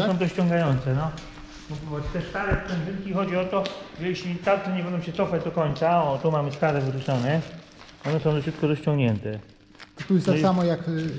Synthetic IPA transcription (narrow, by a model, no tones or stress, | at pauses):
ɔ̃w̃t̪ɔɕt͡ɕɔ̃ŋɡajɔnt̪sɛnɔ | mvʲvwat͡ɕt̪ɛʂkaɾɛpɛnzɘnkʲixɔd͡ʑiɔt̪ɔʐɛjeɕlʲit̪at̪sɛɲɛvɔnd̪ɔ̃w̃ɕɛt̪sɔfad͡ʑd̪ɔkɔɲʲt̪saɔt̪umamɘskaɾɛvɾutsɔnɛ | ɔnɛsɔ̃w̃d̪ɔɕut̪kɔɾɔɕt͡ɕɔ̃ŋɡɲɛnt̪ɛ | ɔust̪akssamɔjak